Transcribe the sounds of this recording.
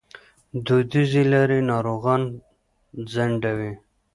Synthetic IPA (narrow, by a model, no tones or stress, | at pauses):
d̪ud̪izilaɾinɑɾoɣɑn | zaɳɖawi